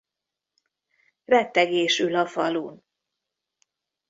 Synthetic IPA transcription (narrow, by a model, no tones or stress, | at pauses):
rɛt̪ːɛɡeːʃylɒfɒluːn